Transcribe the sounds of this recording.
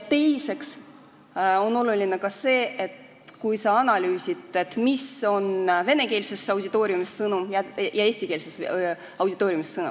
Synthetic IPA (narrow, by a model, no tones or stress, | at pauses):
t̪e̞jse̞ks | o̞no̞lulinekɑse̞ːʔet̪ | kujsɑɑnɑlʲyːsit̪ˑe̞t̪ːˑmiso̞nve̞ne̞ke̞ːlise̞sːɑwd̪ʲit̪ːˑo̞ːɾjumisːɤnumjɑjɑe̞ːst̪ike̞ːlises | ɑwd̥̪ʲit̪ːˑo̞ːɾjumisːɤnṵ